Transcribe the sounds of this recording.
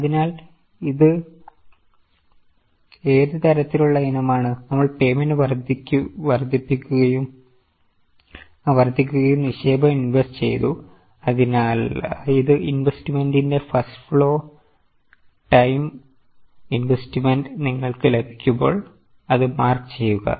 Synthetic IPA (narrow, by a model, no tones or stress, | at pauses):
ɐðinaːl | iðɨ | eːðɨt̪ɐɾɐt̪ːiluɭːɐinɐmaːɳɨnɐmːɐɭpe̞ːmendɨʋɐrd̪ʱikʲːuʋɐrd̪ʱːipːikʲːuɣɐjum | ʋɐrd̪ʱik̬ʲːuɣɐjumniɕeːbɐminʋest͡ɕe̞̰jt̪u | ɐðinaːliðɨʔinʋestimendinde̞fɐsʈfɭo̞ː | ʈɐjm | inʋestimendniŋːɐɭkɨlebʱi̥kʲːumbo̞̰ːɭ | ɐðɨmaːrkɨ̥t͡ɕe̞jːuɣɐ̰